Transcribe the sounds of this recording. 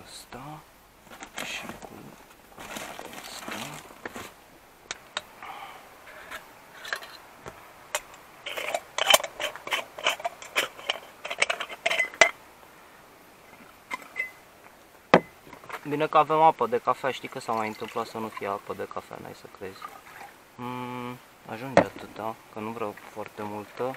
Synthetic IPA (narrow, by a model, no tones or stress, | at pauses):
əst̪a | ʃikṵ | əst̪a | bine̞kəave̞mapəd̪e̞kafeaʃt̪ijkəsamajɨnt̪ɨmplat̪sənufijeapəd̪e̞kafea̰na̰jsəkɾe̞zʲ | a̰ʒund͡ʒat̪ɨt̪akənuvɾafoart̪e̞mult̪ə